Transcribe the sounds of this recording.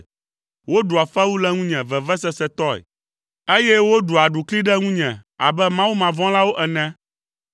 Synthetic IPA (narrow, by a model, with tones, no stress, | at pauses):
wo˦ɖu˨a˨fɛ˦wu˦lɛ˦ŋũ˦ɲɛ̃˨vɛ˨vɛ˦sɛ˦sɛ˦t̪ɔ˦ɛ̰˨ | e˦jɛ˦wo˦ɖu˨a˨ɖu˨kli˦ɖɛ˦ŋũ˦ɲɛ̃˨a̰˨bɛ˦mã˦wu˦mã˨vɔ̃˦la˦wo˦ʔɛ˨nɛ̃˦